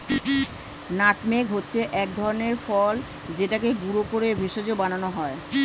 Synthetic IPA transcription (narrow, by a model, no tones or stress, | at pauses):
naʈmeɡɦotːɕʰeʔɛk̚d̪ʱɔɾoneɾfɔl | d͡ʑeʈakeɡuɾokoɾebʱeʃod͡ʑobananoɦɔe